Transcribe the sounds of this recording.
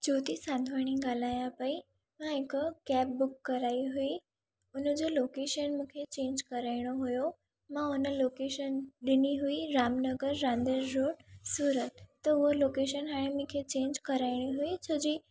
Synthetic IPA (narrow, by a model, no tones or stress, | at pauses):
d͡ʑot̪isãnd̪ʱʋaɽ̃iɡalajãpai | mãekəkɛp̚bukːəɾaiɦui | unəd͡ʑelokeʃənmũkʰet͡ɕẽnd͡ʑkəɾajɽ̃oɦujo | mãunəlokeʃənɗ̪iniɦuiɾamnəɡəɾːãnd̪əɾːoɽsuːɾət̪ːəuʋəlokeʃənɦaɽ̃emũkʰet͡ɕẽɲd͡ʑkəɾajɽ̃iɦuit͡ɕʰəd͡ʑiː